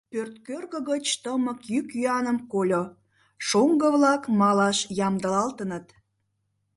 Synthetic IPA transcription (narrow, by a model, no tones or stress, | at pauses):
pørt̪kørɣəɣət͡ɕt̪əməkjykjyɑnəmkolʲo | ʃoŋɡəβlɑkmɑlɑʃjɑmd̪əlɑlt̪ənət̪